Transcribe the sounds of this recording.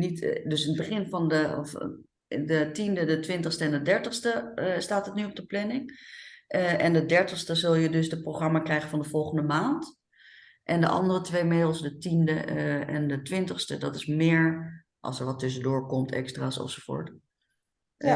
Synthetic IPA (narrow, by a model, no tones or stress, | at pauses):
nitdɵsənəbəχɪnfɑndəf | dətindədətʋɪntəχstəɛndədɛɹtəχstəstaːtɦətnyɔp̚dəplɛnɪŋʔɛndədɛɹtəχstəzɵlˠjədɵsdəproχrɑmakrɛjχəfɑndəv̥ɔlˠχəndəmaːnt | ʔɛndə̰ʔɑ̰ndərətʋejmedl̩ˠsdətindəɛ̰ndətʋɪntəχstədɑtɪsmɪːɹ | ʔɑ̰lˠsəɹʋɑtɵs̬ədʊːɹkɔmtʰɛ̰kstraːsɔ̰fsofʊ̰ːɹt